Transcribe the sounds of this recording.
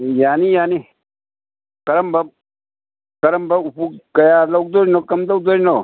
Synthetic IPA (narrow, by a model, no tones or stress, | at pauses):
jaːnijaːni | kɐɾɐmbɐb | kɐɾɐmbɐupukɐjaːlɐk̚d̪oːɾinokɐmd̪ɐk̚d̪oːɾino